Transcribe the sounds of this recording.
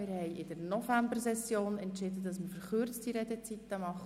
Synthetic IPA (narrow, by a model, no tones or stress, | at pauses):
mɪɾhɛɪɪd̥əɾnɔfæmbəɾsɛsjoːnɛntʃɪdədɑsmɪɾfəɾχʏrt͡stiɾɛd̪ɛt͡sit̪ːəmɑχ